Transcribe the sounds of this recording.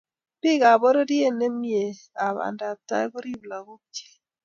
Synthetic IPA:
pɪ˦˨ka˨bo˦ɾo˦ɾje˦˨ne˦mje˨ | a˨βa̰˨nda˨ta̰˦bo˦ɾi˦˨bla˨ɡo˦t͡ʃe̥˦

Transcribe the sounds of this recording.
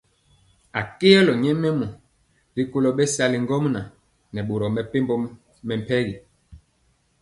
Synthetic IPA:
a˨ke˦ɛ˦lɔ˨ɲɛ˦mɛ˦mɔ˨ | ɾi˦ko˦lɔ˨ɓɛ˦sa˦li˨ŋɡɔ˦mna˨ | nɛ˨ɓo˨ɾɔ˨mɛ˨pe˦mbɔ˦ | mɛ˨m̩˨pɛ˦ɣi˨

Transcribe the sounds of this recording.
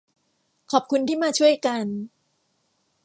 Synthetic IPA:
kʰɔː˨˩p̚kʰu˧nt̪ʰiː˥˩maː˧t͡ɕʰu˥˩əjka˧n

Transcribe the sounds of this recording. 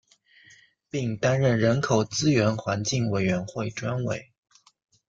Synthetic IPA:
pi˥˩ŋt̪a˥nɻə˥˩nɻə˧˥nkʰo˨˩ʊt͡sɹ̩˥ɥɛ˧˥nxwa˧˥nt͡ɕi˥˩ŋwe˨˩ɪɥɛ˧˥nxwe˥˩ɪʈ͡ʂwa˥nwe˨˩˦ɪ

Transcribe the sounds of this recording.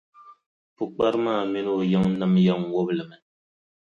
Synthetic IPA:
pu˨k͡pa˦ɾmaː˦˨mi˦no˦˨ja˦ŋna˦mja˦ŋwo˦blɨ˨mɨ˨n

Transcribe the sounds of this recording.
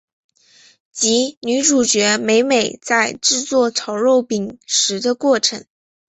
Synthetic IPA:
t͡ɕi˧˥ny˧˥ʈ͡ʂu˨˩t͡ɕɥɛ˧˥me˧˥ɪme˨˩ɪt͡sa˥˧ɪʈ͡ʂɻ̩˥˧t͡swɔ˥˩t͡sʰɑ˧˥ʊɻo˥˩ʊpi˨˩ŋʂɻ̩˧˥d̪ə˧kwɔ˥˩ʈ͡ʂʰɤ˧˥ŋ

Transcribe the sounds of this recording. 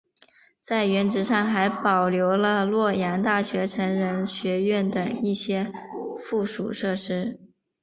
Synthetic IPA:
t͡sa˥˩ɪɥɛ˧˥nʈ͡ʂɻ̩˧˥ʂɑ˥˩ŋxa˧˥ɪpɑ˨˩ʊljo˧˥ʊlə˧lwɔ˥˩ja˧˥nt̪a˥˩ɕɥɛ˧˥ʈ͡ʂʰə˧˥ŋɻə˧˥nɕɥɛ˧˥ɥɛ˥˩nt̪ə˩ŋi˥˩ɕjɛ˥fu˥˩ʂṵ˨˩ʂɤ˥˩ʂɻ̩˥

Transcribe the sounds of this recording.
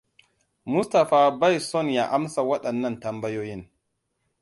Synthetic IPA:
mʊ˦sta˨faː˨ba˦jsɔ˦˨nja˨ʔa˦msa˨wɐ˦ɗɐ˨nːɐ˦ntɐ˨mbɐ˦joː˦ji˦n

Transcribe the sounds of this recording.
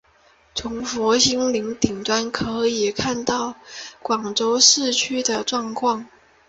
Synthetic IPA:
t͡sʰʊ˧˥ŋfwɔ˧˥ɕi˥ŋli˧˥ŋt̪i˨˩ŋt̪wa˥nkʰɤ˧˥i˨˩kʰa˥˧nt̪ɑ˥˩ʊkwɑ˨˩ŋʈ͡ʂo˥ʊʂɻ̩˥˩t͡ɕʰy˥d̪ə˨ʈ͡ʂwɑ˥˧ŋkʰwɑ˥˩ŋ

